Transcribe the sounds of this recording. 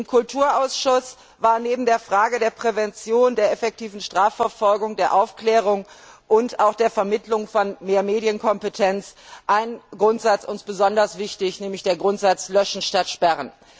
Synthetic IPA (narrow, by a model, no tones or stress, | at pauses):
ʔɪmkʰʊltʰuːɐʔaʊsʃʊs | v̥aːɐneːbm̩deːɐfʁ̥aːɡədeːɐpʁ̥ɛvɛnt͡sjoːndeːɐɛfɛk̚tʰiːvn̩ʃtʁ̥aːfɛɐfɔlɡʊŋdeːɐʔaʊfklɛːʁ̞ʊŋʔʊntaʊxd̥eːɐfɛɐmɪtʰlʊŋfɔnmeːɐmeːdjənkʰɔmpətʰɛnt͡sʔaɪnɡʁʊntz̥at͡sʔʊnsb̥əzɔndɐsv̥ɪçtɪçnɛːmlɪçd̥eːɐɡʁʊntz̥at͡slœʃn̩ʃtatʃpɛʁən